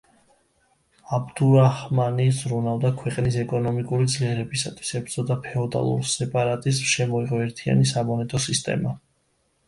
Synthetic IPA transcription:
abd̪uɾahmanizɾunavd̪akʰwɛqʼnisɛkʼɔnɔmikʼuɾid̪zliɛɾɛbisat̪ʰwi̥sɛpz̥ɔd̪apʰɛɔd̪a̰lˠṵɾsɛpʼaɾat̪ʼisʃɛmɔiʁɔɛɾt̪ʰia̰nisamɔnɛt̪ʼɔsist̪ʼɛ̰ma

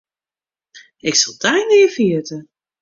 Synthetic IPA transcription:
ɪksɑlˠdajnɪːəfiətə

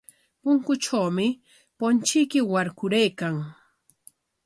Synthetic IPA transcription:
pʊŋkʊt͡ʃawmɪ | pont͡ʃɪjkɪwaɾkʊɾajkaŋ

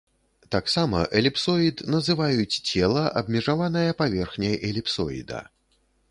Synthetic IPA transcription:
t̪aksamɐ̰ʔɛlʲipsɔit̪nɐzɨvajut͡sʲt͡sʲɛlˠɐʔɐbmʲɛʐavanɐjɐpavʲɛrxnʲɐjʔɛlʲipsɔ̰ḭd̪ɐ̰

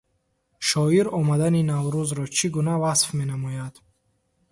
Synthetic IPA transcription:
ʃɔiɾɔmad̪aninavɾuzɾɔt͡ʃʰiɡunavasfme̞namɔjad̪̥

